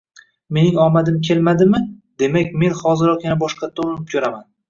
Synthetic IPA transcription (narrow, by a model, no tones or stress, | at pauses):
me̞nɪŋɒmad̪ɪmkʲʰe̞lmad̪ɪmɪd̪e̞makʲme̞nχɒzɪɾɒqjanabɒʃqɑt̪ʰonɪp̚kʲʰɵɾaman